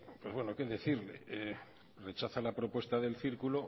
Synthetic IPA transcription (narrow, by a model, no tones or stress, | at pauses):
pwe̞zβwe̞noke̞ðe̞θiɾlḛe | re̞t͡ʃaθalapɾo̞pwe̞st̪aðe̞lθiɾkulo